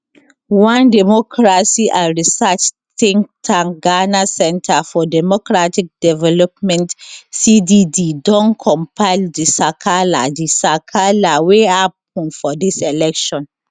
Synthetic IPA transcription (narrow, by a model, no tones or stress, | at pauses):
wãndɛmɔkʰɹasiʔãɹisat͡ʃ | tĩŋtʰãŋɡanasɛ̃ntʰafɔdɛmɔkɹatik̚dɛvɛlɔpmɛ̃ntsidididɔ̃nkʰɔ̃mpʰaɪldisakʰala̰disakʰalaweap̚ɔ̃nfɔdisɛlɛkʃɔ̃n